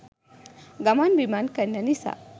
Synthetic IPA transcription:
ɡɐmanbimankɐnːɐnisa̰

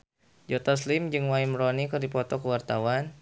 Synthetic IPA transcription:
d͡ʒɔt̪ɔslɪmd͡ʒɨŋwaimɾɔnikɨrdipɔt̪ɔkəwart̪awan

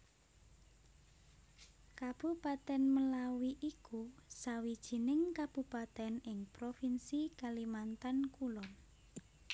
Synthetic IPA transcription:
kab̥ṳpat̪ɛnməlawiʔikusawid̥ʒ̥i̤nɪŋkab̥ṳpat̪ɛnɪŋpɾofinsikalimant̪ankulɔn

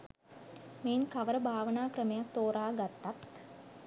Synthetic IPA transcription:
meːnkaʋəɾəbʱaːʋənaːkrəmejak̚t̪oːɾaːɡat̪ːat̪

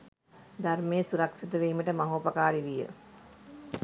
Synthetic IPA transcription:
d̪armejəsuɾaksit̪əʋeːməʈəmɐɦoːpɐkaːɾiʋijə̰

